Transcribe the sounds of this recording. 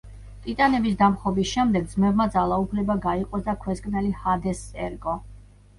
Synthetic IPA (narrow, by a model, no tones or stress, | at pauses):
t̪ʼit̪ʼanɛbisd̪amχɔbisʃɛmd̪ɛɡ̚d̪zmɛbmad̪zalˠaupʰlɛbaɡaiqʼɔsd̪akʰwɛskʼnɛlihad̪ɛsɛɾɡʼɔ